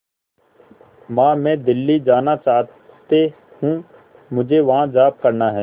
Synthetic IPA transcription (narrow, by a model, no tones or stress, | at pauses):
mãːmɛ̃ːd̪ɪlːid͡ʒaːnat͡ʃaːɦt̪e | hũ | mʊd͡ʒʱeʋɐɦãd͡ʒaːb̚kɐɾnaɦɛː